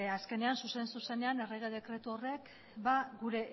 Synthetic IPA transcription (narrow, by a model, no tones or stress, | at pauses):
aske̞ne̞ansuse̞nsuse̞ne̞ane̞re̞ɣ̞e̞ð̞e̞kɾe̞t̪uore̞k | baɡuɾe̞